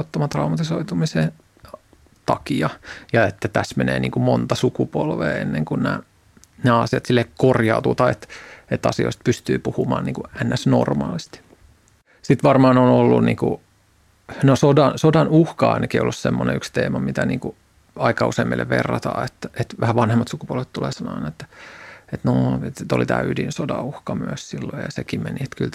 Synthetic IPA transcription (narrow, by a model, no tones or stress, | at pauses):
ot̪ːɑmɑt̪rɑumɑt̪isoit̪umise | t̪ɑ̰kiɑjɑet̪ːæt̪æsmenḛːniːŋkumont̪ɑsukupolʋḛːenːeŋkunnæ̰ː | næːɑsiɑt̪silːekkorjɑut̪uːt̪ɑet̪et̪ːɑ̰sio̰ist̪̚pyst̪yːpuhumɑːniːkuænːæsno̰rmɑ̰ːlist̪i̥ | sit̪ʋɑrmɑːnonolːunnḭːkṵ | nosodɑnsodɑnuhkɑɑ̰inɑkieijolːussemːonḛykst̪eːmɑmit̪ænḭːŋku | ɑikɑuseimːḛlːḛʋʋerːɑt̪ɑ̰ːet̪ːæʔet̪ʋæhæʋɑnhemːɑt̪sukupuolʋet̪t̪ulḛˑsɑnoɑinɑet̪ːæ̥et̪noet̪t̪olit̪æ̰ːydinsodɑuhkɑmyøssilːojjɑ̰sekimmeniet̪kylt̪